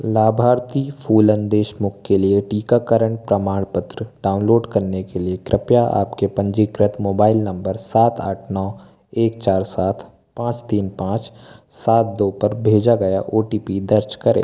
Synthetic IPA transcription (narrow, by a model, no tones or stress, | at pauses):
laːbʱaːɾt̪ifʰuːlə̃nd̪eːʃmʊkːelieʈiːkakəɾəɳ̃pɾəmaːɽ̃pət̪ɾəɖaːʊ̃nloːɖkɐɾnekeliekɾɪpjaʔa̰ːpkepə̃ɲd͡ʒikɾɪt̪moːbaːɪlnɐ̃mbəɾsaːt̪ʰaːʈʰnɔː | eːk̚t͡ʃaːɾsaːt̪ʰ | pãːt͡ʃt̪iːnpãːt͡ʃ | saːt̪̚d̪oːpəɾbʱeːd͡ʒaɡɐja̰ʔoːʈiːpid̪əɾt͡ʃkəɾḛː